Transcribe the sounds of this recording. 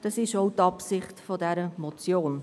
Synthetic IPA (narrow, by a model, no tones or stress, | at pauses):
d̥ɑsɪʃoʊtɑpsɪχtfɔdɛɾəmɔt͡sjoːn